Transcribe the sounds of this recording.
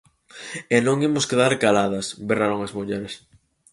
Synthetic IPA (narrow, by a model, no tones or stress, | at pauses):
enõŋemʊskeðaɾkalað̞ɐsberaɾoŋɐzmuʎɛɾes